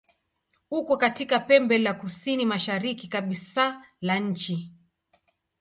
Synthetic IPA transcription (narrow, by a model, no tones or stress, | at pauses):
hukɔkatikapɛmbɛlakusinimaʃaɾikikaɓisa | laɲ̩t͡ʃi